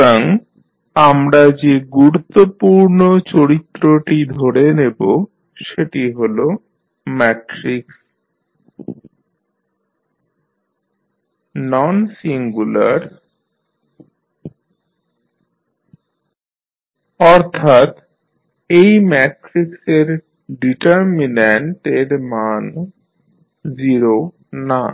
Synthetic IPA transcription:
aŋ | amɾad͡ʑeɡuɾut̪ːopuɾnot͡ɕoɾit̪ːɾoʈid̪ʱoɽenebo | ʃeʈiɦolo | mɛʈɾiks | nɔnsiŋɡula̰ɾ | ɔɾt̪ʰat̪ | ejmɛʈɾikseɾ | ɖiʈaɾmineɳʈeɾman | d͡ʑiɾo | na

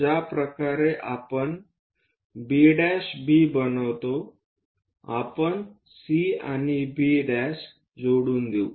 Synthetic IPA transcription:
apɾəkaɾeʔapəɳ | biɖɛɕbʱiːbənəʋt̪o | a̰pəɳ | sia̰nibiɖɛs | d͡zoɽuːnd̪eu

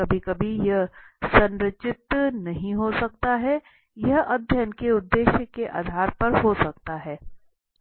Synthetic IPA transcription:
ɐbʱikɐbʱijɐɦsɐ̃nɾət͡ʃɪt̪nɐɦĩɦosɐk̚t̪aɦɛ | jɐɦɐd̪ʱjɐnkeʊd̪ːeːʃjəkeʔa̰ːd̪ʱaːɾpɐɾɦosɐk̚t̪aɦɛː

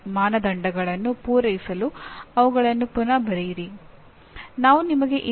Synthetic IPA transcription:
maːnɐd̪ɐɳɖɐɡɐɭɐnːupuːɾɐjisɐluɐʋuɡɐɭɐnːupunɐbɐɾejiɾi | naːʋunimɐɡe̞ʔi

